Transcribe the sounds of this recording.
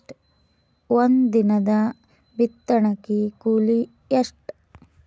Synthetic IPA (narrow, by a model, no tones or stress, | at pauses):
ʈ | ʋond̪d̪inɐd̪ɐ | bit̪ːɐɳɐkikuːli | eʂʈ